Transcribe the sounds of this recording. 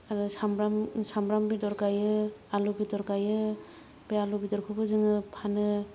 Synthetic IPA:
aɾɯsamɾamsamɾambidɔɾɡajɯalubidɔɾɡajɯ | b̥ealubidɔɾkʰɯbɯzɯŋɯpʰanɯ

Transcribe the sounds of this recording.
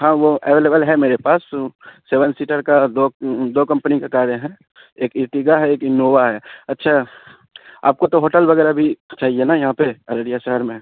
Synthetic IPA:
ɦãʋoɛʋeːleːbəlɦɛmeːɾepaːsseːʋənsiːʈəɾkad̪od̪oːkɐ̃mpənikakaːɾjəɦɛ̃ | eːkɪʈiɡaɦɛeːkɪnoːʋaɦɛɐtːʃʰa | a̰ːp̚kot̪oɦoːʈəlbɐɣɛːɾabʱit͡ʃaːɦienajɐɦãpeɐɾəɽijaʃəɦəɾmẽ

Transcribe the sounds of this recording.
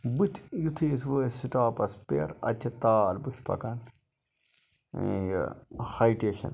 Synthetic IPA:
but̪ʲʰjut̪ʰiːs̬ʋoːsiʈaːpɐspeɾɐ̰t͡ʃʰɐt̪aːlbutʲʰpʰɐ̰kɐn | j̰hɐiʈeːʃɐ̰n

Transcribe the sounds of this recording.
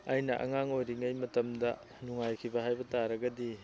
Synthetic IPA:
ɐjnɐʔɐ̰ŋaŋojɾiŋɐjmɐtɐmdɐ̰ | nuŋajkʰibɐɦajbɐtaɾɐɡɐdi

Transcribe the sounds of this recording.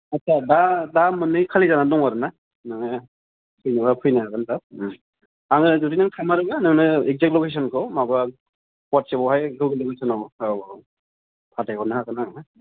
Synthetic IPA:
asʰadadamɯnːɯjkʰalizanadɔŋaɾɯna | nɯŋnɯ | pʰɯjnɯbapʰɯjnaaɡantap̚ | aŋɯzudinaŋtʰamaɾɯɡanɯŋnɯek̚zek̚t̚lɔkes̬ɔnkʰɔmaba | pat̚sebɔwhajɡɯwɡɯlɯɡɯsʰɯnɔabɔ | pʰatajkɔnahakɯnaŋa

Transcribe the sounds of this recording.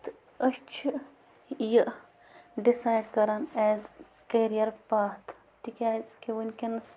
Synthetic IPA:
t̪ | ɐʃt͡ʃʰ | jɐʔ | ɖisaːjɖkɐɾaːnɛːz | kɐɾijɐɾpaːt̪ʰ | t̪ikʲaːzkeʋunʲkenɐs

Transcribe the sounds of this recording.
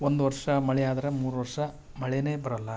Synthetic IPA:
ond̪uʋɐɾʂɐmɐɭɛjaːd̪ɐɾɐmuːɾuʋɐɾʂɐ | mɐɭɛneːbɐɾɐlːɐ

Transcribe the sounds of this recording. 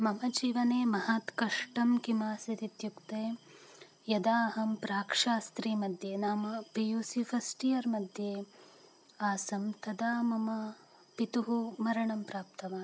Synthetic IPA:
mɐmɐd͡ʒiːʋɐneːmɐɦaːt̪kɐʂʈɐmkimaːsit̪it̪jukt̪eː | jɐd̪aːɦɐmpɾaːkʂaːst̪ɾiːmɐd̪ʱjeːnaːmɐpijuːsifʰɐsʈijɐɾmɐd̪ʱjeː | aːsɐmt̪ɐd̪aːmɐmɐ | pit̪uɦumɐɾɐɳɐmpɾaːp̚t̪ɐʋaː

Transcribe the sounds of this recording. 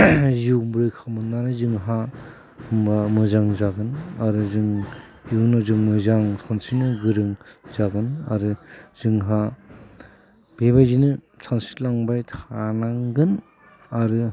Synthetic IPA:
juwmbɾɯjkʰamɯnːanɯzɯŋɦa | hɯmbamɯzaŋzaɡɯnaɾɯzɯŋ | iwnɔzɯŋmɯzaŋsʰansinɯɡɯɾɯŋzaɡɯna̰ɾɯzɯŋɦa | b̥ebajzinɯ | sʰansi̥laŋbajtʰanaŋɡɯn | aɾɯ

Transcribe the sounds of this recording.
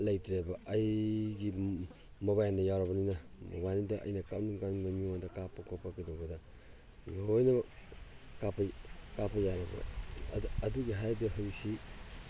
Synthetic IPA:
lɐjtɾebɐːjɡi | mobajnɐjawɾɐbɐninɐmo̰bajnidɐʔɐ̰jnɐkawnuŋkaninɐmiŋaŋdɐkapʰːɐkʰopːɐkidowbɐdɐ | ojnɐ | kapʰɐkapʰːɐjaɾɐbɐ̰ | ɐduɡiɦajbɐɦɯɾisi

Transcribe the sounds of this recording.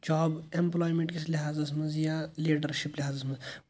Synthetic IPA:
d͡ʒaːbemplɔːjmẽɳʈkesliɦaːzɐsmɐnzjaliːɖəɾʃipliɦaːzɐsmɐz

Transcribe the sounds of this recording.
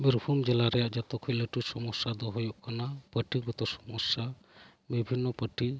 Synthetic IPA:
biɾbʰʱumd͡ʒɛlaɾɛjaʔd͡ʒɔt̪ɔkʰɔjləʈusɔmɔsad̪ɔɦɔjɔʔkʰanapəʈiɡɔt̪ɔsɔmɔsa | bibʱinːɔpəʈi

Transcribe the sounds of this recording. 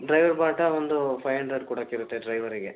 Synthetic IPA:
ɖɾɐjʋɐɾbaːʈɐond̪upʰɐjɐɳɖɾɐɾkuːɽɐkːeiɾut̪ːeɖɾɐjʋɐɾiɡe

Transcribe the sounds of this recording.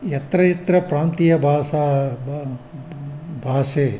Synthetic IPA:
jɐt̪ɾɐjɐt̪ɾɐpɾaːnt̪ijɐbʱaːsa | bʱaːseː

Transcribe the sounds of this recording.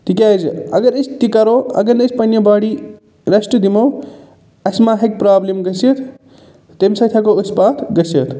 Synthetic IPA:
ʈikʲaːjzɐɡɐɾest̪ikɐɾoɐ̰ɡɐnɐsʰpɐnjobaːɽi | ɾɐsʈud̪imɐw | ɐsmaɦɐk̚pɾaːblemɡɐsɐt̪ʰ | t̪emsɐt̪ʰakouspaːt̪ʰɡɐsɐt̪ʰ

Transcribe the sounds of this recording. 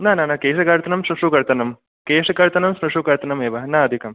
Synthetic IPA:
nanaːnakeːʃɐkaɾt̪ɐnɐmʃɾɐʂukɐɾt̪ɐnɐm | keːʂɐkɐɾt̪ɐnɐmsɾɐʂukɐɾt̪ɐnɐmeːʋɐnaɐd̪ʱikɐm

